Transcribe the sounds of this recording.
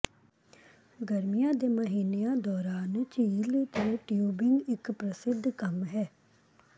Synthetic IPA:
ɡəɾmijãːd̪eːməɦiːnejãːd̪ɔːɾaːnt͡ʃiːlit̪eʈjuːbɪŋɡɪkpɾəsɪd̪ʱkəmɦɛː

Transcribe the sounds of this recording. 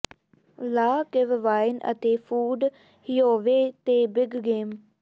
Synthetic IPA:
laːkeʋʋaːɪnə̰t̪eːpʰuːɖ | hioːʋeːt̪eːbɪɡɡeːm

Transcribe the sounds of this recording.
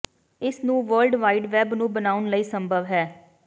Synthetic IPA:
ɪsnũːʋəɾlɖʋaːiːɖʋɛːbnũːbənaːʊnləiːsəmbʱəʋɦɛː

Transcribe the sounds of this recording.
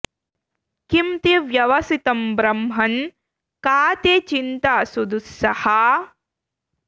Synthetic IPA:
kimt̪iʋjɐʋɐsit̪ɐmbɾɐmɦɐn | kaːt̪et͡ʃint̪aːsud̪usːɐhɐ

